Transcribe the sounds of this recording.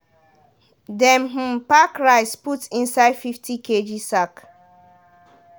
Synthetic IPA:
dɛ̃mɦ̩pakɹaɪsputĩnsaɪdfiftʰiked͡ʒisak

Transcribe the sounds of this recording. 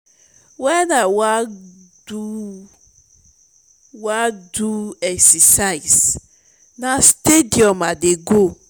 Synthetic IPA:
wɛnawa | u | waduɛksesaɪs | nastediɔmadeɡo

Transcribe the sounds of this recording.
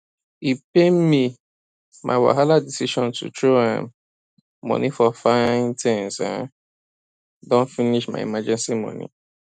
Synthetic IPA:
ipem̩mi | mʔa̰ɪwa̰ɦaladisiʃɔ̃ntʰṵtɹoã̰m | mɔ̰̃nifɔfãntʰɛ̃nsa̰ | dɔ̃nfiniʃma̰ḭmad͡ʒɛ̃nsimɔ̰̃nḭ̃

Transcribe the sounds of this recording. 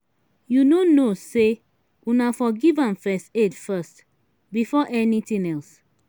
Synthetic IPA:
junonose | unafɔɡivãmfɛstedfɛst | bifɔʔɛnitĩnɛls

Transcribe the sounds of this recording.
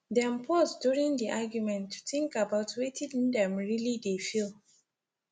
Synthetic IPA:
dɛ̃mpʰɔzduɹĩŋdiʔaɡjumɛ̃ntʰːu̥θɪ̃ŋkabaʊtʰwetʰidndɛ̃mɹilidefilˠ

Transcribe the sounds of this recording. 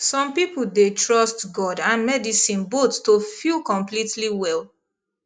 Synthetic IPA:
sɔ̃mpipl̩detʰɹɔstɡɔdãnmɛdisĩnbotːofilkɔ̃mplitʰliwɛlˠ

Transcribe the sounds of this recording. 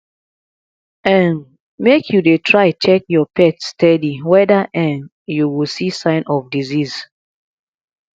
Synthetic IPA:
ãn | mekʰjudetʰɹaɪt͡ʃɛk̚jɔpɛtstɛdiwɛdaʔɛ̃n | juwisisãɪ̃nʔɔfdiziz̥

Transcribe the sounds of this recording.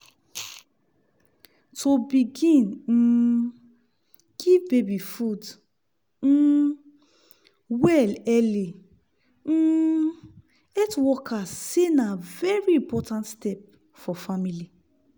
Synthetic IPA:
tʰobiɡĩn̩ | ɡ̥ivbebifud̩ | wɛlɛli | ɛtwɔkʰasenavɛɹiĩpɔtãntstɛp̚ | fɔfamili

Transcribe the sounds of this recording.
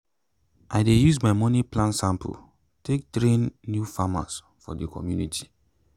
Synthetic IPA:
ʔaɪdejuzmaɪmɔniplãnsãmpʰṵ | tek̚tɾẽnːjufama̰s | fɔ̰dəkʰɔ̰mjunitʰi̥

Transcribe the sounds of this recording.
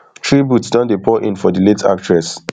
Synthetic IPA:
tʰɹibutsdɔ̃ndepʰɔʔḭ̃nfɔdiletʰa̰k̚tɹɛs

